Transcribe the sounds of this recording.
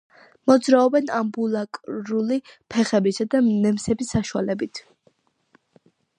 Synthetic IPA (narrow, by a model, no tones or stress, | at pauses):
mɔd̪zɾaɔbɛnambulˠakʼɾulipʰɛχɛbisad̪anɛmsɛbisːaʃualɛbit̪ʰ